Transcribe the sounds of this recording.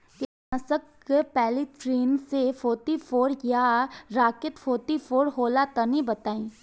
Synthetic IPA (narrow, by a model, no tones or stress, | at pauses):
kinɐsəkː | pɛːlitɾiːnsefoːt̪ifʰoːɾjaɾaːkɪt̪fʰoːt̪ifʰoːɾɦoːlat̪ɐnibɐt̪aːĩː